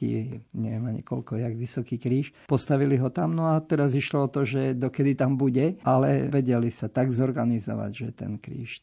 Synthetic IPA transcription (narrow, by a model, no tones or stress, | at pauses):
ḭɲɛʋɪɛmaɲḭkɔlkɔjaɡʋisɔkiːkɾiːʃpɔst̪aʋiliɦɔt̪amnɔat̪ɛɾaziʃlɔɔt̪ɔʒɛd̪ɔkɛd̪it̪ambuɟɛʔalɛ̰ʋɛɟɛlisat̪aɡzɔɾɡanizɔ̰ʋa̰ɟʒɛt̪ɛ̰nkɾḭːʃ